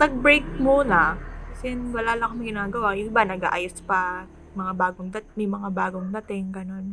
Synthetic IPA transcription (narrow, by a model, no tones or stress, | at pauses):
nɐɡ̚bɾejkmunɐkɐsɛjɐnwɐlaːlɐkomɐɡɪnaːɡɐwajʊnɪbanɐɡa̰ːʔajospɐ | mɐŋabaːɡoŋd̪ɐt̪mɐjmɐŋabaːɡoŋd̪ɐt̪ɪŋɡɐno̞n